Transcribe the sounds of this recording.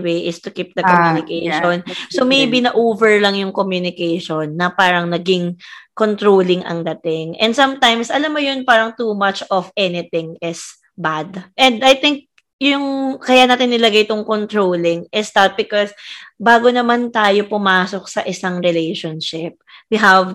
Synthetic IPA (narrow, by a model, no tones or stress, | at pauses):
wejʔɪst̪ʊkip̚d̪ɐkomjunɪkejʃonsomejbinɐʔoːvɛɹlɐŋjʊŋkomjunɪkɛjʃonːɐpaːɾɐŋnɐɡɪŋkont̪ɹowlɪŋʔɐ̰ŋd̪ɐt̪ɪŋʔɛ̰nd̪sɐ̃mt̪ajmsɐlamːojonpaːɾɐŋt̪uːmɐt͡ʃʔɔfʔɛnɪt̪ɪ̃ŋɪs | bad̪ʔɛnd̪ɐjt̪ɪŋk̚ | jʊŋkɐjanaːt̪ɪnːɪlɐɡajt̪ʊŋkont̪ɹowlɪŋʔɪst̪ɐt̪̚bɪkɔsbaːɡonɐmant̪aːjopʊmaːsok̚sɐʔɪsaŋɹɪlejʃonʃɪp̚wiɦɐv